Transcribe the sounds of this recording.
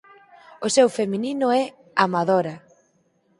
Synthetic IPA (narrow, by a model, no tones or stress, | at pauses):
osewfemininʊɛ | amaðoɾa